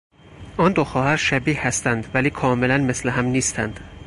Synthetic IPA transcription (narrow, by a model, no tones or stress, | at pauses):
ʔɒːnd̪oxɒːhæɾʃæbiːhæst̪ænd̪væliːkʰɒːmelænmesleɦæmniːst̪ʰænd̪̥